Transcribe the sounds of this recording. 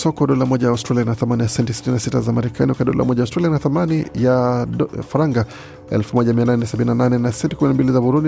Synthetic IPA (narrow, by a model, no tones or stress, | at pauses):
sɔkɔɗɔlamɔʄajaustɾalianaθamanijasɛntɛsi̥tininasitazamaɾɛkʰaniwakaɗɔ̰lʔa̰mɔʄaustɾalijanaθamanija | faɾaŋɡa | ɛ̰lfumɔʄamiananɛnasaɓininananɛnasɛntikuminambilizabuɾundi